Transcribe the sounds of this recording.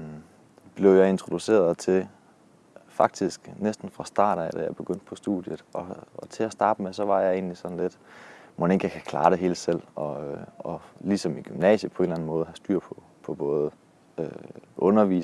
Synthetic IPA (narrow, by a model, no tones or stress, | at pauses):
b̥le̝ʊjɑ̈ɪe̝nt͡sʰʁo̝d̥use̝̰ːɐðˠt͡sʰe̝ | fɑ̈ɡ̥̚d̥isɡ̥nesd̥n̩fʁɑ̈sd̥ɑ̰̈ːɾ̥æd̥æjɑ̈b̥e̝ɡ̥øn̰d̥̚pʰɒ̽sd̥ṵðˠjəð̩ˠɒ̽t͡sʰe̝æsd̥ɑ̈ːb̥əmesɒ̽ʋɑ̈jɑ̈e̝̰ːnlisɒ̽n̩le̝d̥mone̝ɡ̥əjakʰækʰlɑ̈ːɾ̥e̝ɦe̝ːld̥sel̰ɒ̽ɒ̽lisɒ̽miɡ̥ymnɛ̰ːɕəpʰɒ̽e̝nlæn̩mɔ̽ːð̩ˠhæsd̥yɐ̰pʰɒ̽ | pʰɒ̽b̥ɔ̽ːð̞̩ˠ | øʔɔ̽nɐʋḭː